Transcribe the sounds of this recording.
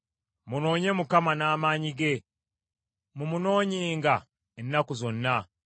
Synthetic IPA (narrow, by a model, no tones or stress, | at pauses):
muno̞ːɲe̞mukamanaːmaːɲiɡe̞ | mumuno̞ːɲiːŋɡa | enːakuzo̞nːa